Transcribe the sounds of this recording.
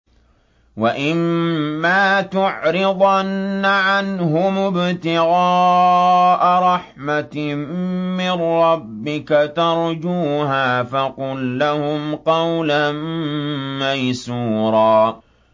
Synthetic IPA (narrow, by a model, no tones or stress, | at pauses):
waʔɪmːaːt̪ʊʕɾɪðˤanːaʕanɦʊmʊbt̪ɪɣaː | ʔaɾˤɑħmat̪ | mɪnɾɑbːɪkat̪ɑɾˤd͡ʒuːɦaːfɑqʊlːahʊmqɑwlanː | ajsuːɾˤɑː